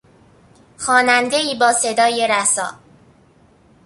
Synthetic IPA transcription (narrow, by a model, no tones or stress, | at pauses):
xɒːnænd̪e̞iːbɒːse̞d̪ɒːjeɾæsɒ̰ː